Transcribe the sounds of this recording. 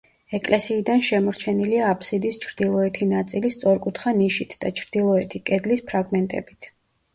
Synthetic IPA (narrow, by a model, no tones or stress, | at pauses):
ɛkʼlɛsiːd̪anʃɛmɔɾt͡ʃʰɛniliaːpʰʼsid̪ist͡ʃʰɾd̪ilˠɔɛt̪ʰinat̪sʼilist̪sʼɔɾkʼut̪ʰχaniʃit̪ʰd̪at͡ʃʰɾd̪̥ilˠɔɛt̪ʰikʼɛd̪lispʰɾaɡmɛnt̪ʼɛ̰bit̪ʰ